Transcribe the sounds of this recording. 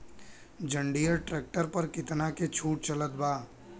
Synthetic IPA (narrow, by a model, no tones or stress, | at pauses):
d͡ʒə̃ɳɖijəɾʈɾɛːk̚ʈəɾpɐɾkɪt̪naket͡ʃʰuːʈ̚t͡ʃɐlət̪̚baː